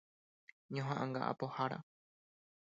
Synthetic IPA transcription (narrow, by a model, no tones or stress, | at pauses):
ɲõɦãʔãŋɡa̰ʔa̰pohaɾa̰